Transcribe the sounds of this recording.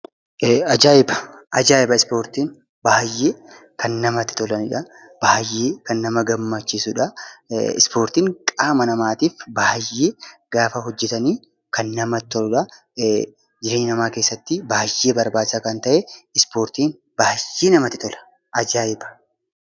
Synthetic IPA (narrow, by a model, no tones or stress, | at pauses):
ɐd͡ʒaːɪbɐ̥ʔɐd͡ʒaːɪbɐɪspo̞ːɾt̪iːŋ | baːhjːeː | kʰɐnːɐmɐt̪ːɪ̥t̪ɔlɐnɪᶑɐ | b̥ahjːeːkɐnːɐmɐɡɐmːɐt͡ʃːɪsʊᶑɐɪ̰spoːɾt̪iːŋkʼaːmɐnɐmaːt̪iːfbahjːeːɡ̥aːfɐɦɔd͡ʒːɛt̪ɐniː | kɐnːɐmɐt̪ːɔlʊᶑɐ | d͡ʒɪɾe̞ːɲːɪnɐmaːke̞ːsːɐt̪ːɪbaːjːeːbɐɾbaːdɪsaːkɐnt̪ɐʔɛɪspoːɾt̪iːn | b̥ahjːeːnɐmɐt̪ːɪ̥t̪ɔlɐ̥ | ʔɐd͡ʒaːɪbɐ̥